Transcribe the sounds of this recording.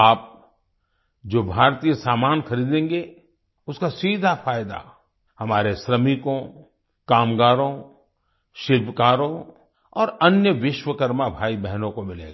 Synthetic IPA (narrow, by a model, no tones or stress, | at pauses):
aːp̚ | d͡ʒoːbʱaːɾt̪ijəsaːmaːnxɐɾiːd̪ẽːŋɡe | ʊskasiːd̪ʱafaːjd̪a̰ | hɐmaːɾesɾəmikõ | kaːmɡaːɾõ | ʃɪlbʱkaːɾõ | ɔːɾɐnjəʋɪʃwəkɐɾmabʱaːibɛɦnõkomɪlḛːɡaː